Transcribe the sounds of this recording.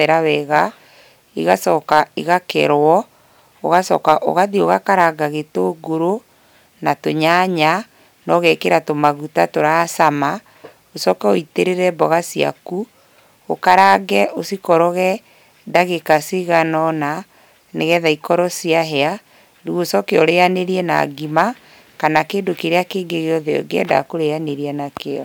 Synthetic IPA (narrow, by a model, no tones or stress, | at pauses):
ɛɾawɛɣa | iɣasɔkaiɣakɛ̰ɾwɔ | oɣasɔ̰kaʔo̰ɣaðioɣakaɾaɡaɣetoɡoɾo | natoɲaɲa | nɔɣɛkeɾatomaɣutatoɾasama | osɔkɛoiteɾeɾɛbɔɣasia̰ku | o̰kaɾaːɡɛʔosikɔɾɔɣɛ | daɣekasiɣanɔna | neɣɛðaikɔɾɔsiaɦɛa | ɾuɣosɔkeɔɾeaneɾiɛna̰ɡima | kanakeːndokeɾeakeːŋɡeɣeɔðeɔ̰ɡeɛ̰da̰koɾeaneɾiɛnakeɔ̰